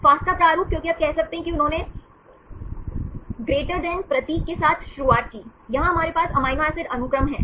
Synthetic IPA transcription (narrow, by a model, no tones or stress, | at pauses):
faːsk̪at͡ʃaːɾuːk̚kjõːkiaːb̚kɛɦsɐk̚t̪eɦɛ̃kiʊnɦõːne | ɡɾeːʈəɾɖɛ̃npɾɐt̪iːkːesaːt̪ʰʃʊɾuʋaːʈ̪̚kiːjɐɦãɦɐmaːɾepaːsɐmaːjmaːsɪɖɐnʊkɾəmɦɛ̰̃ː